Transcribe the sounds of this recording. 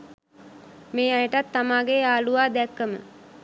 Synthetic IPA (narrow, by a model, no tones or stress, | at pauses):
meːajəʈat̪ːamaːɡeaːluʋaːd̪ɛkːəmə̰